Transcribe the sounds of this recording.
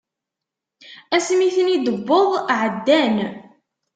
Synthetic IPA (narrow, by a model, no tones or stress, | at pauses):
æsmiθənid̪əbːəðˤʕəd̪ːæn